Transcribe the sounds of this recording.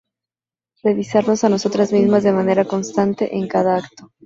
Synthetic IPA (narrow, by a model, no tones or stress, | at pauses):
re̞βisaɾno̞sano̞so̞t̪ɾazmizmazðe̞mane̞ɾako̞nst̪ant̪e̞̰ʔeŋkaðaakt̪o̞